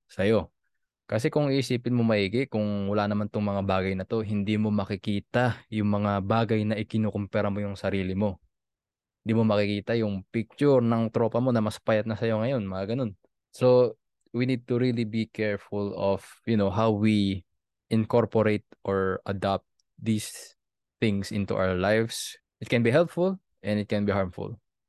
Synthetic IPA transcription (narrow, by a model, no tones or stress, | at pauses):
sɐjo̞ | kɐsɛkʊŋiʔɪsiːpɪnmomɐʔiːɡɪʔkʊŋwɐlanɐmant̪oŋmɐŋabaːɡɐjnɐt̪o̞ɦɪnd̪imo̞mɐkɪkiːt̪ɐjʊŋmɐŋabaːɡɐjnɐʔɪkɪnoːkʊmpɛɾɐmo̞jʊŋsɐɾiːlɪmo̞ | hɪnd̪iːmo̞mɐkɪkiːt̪ɐjʊŋpik̚t͡ʃʊɹnɐŋt̪ɾo̞ːpɐmo̞nɐmɐspajɐt̪̚nɐsɐjo̞ŋɐjo̞nmɐŋaɡɐno̞n | so | winid̪̚t̪uɹilibikʰɛɹfʊlɔfjʊnowɦawwi | ʔɪnko̞ɹpɔɾejt̪̚ʔoɹʔɐ̰d̪ap̚t̪̚ | d̪is | θɪ̃ŋsʔɪnt̪ṵʔa̰wəɹlajfs | ʔɪt̪̚kɛnbiɦɛlpfʊl | ʔɛ̃nɪt̪̚kɛnbiɦaɹmfʊ̰l